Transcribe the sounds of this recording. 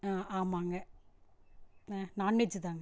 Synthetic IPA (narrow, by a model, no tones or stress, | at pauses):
aːaːmaːŋɡɐ | aːnaːnːed͡ʒɯt̪aːŋɡ